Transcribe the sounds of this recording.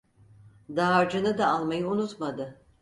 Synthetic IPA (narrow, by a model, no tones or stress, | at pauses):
d̪aːɾd͡ʒɯnɯd̪aalˠmajɯunut̪mad̪ɯ